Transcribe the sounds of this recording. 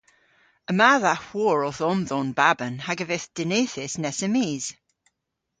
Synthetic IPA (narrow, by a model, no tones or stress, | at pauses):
əmaðahwɔɹɔθɔnðɔːnbabənhaɡəveθd̥ɪnejθɪsnɛsɛmiːz̥